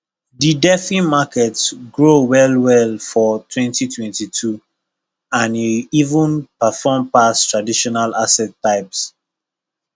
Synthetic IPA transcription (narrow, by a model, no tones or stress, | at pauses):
didɛfĩmakɛtsɡɹowɛlwɛlfɔtʰwɛ̃ntitʰwɛ̃ntitʰu | ãniivũnpəfɔmpastɹadiʃɔnalasɛtːaɪps